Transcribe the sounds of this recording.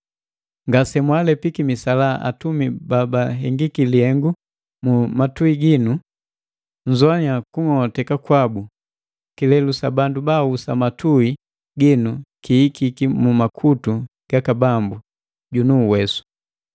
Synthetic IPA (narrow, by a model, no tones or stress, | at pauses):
ŋɡasɛmwalɛpikimisalaʔa̰tumibabaɦɛŋɡikilihɛŋɡu | mumatuiɡinu | ɲzwaɲakuŋɔtɛkakwabu | kilɛlusabandubausamatʰui | ɡinukiːkikimumakʰutuɡ̥akabambu | ɟunuːwɛsu̥